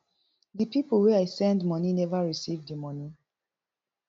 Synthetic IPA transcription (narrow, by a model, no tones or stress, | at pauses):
ðipiplwɛajsɛ̃ndmɔninɛvaɹisivdimɔ̃ni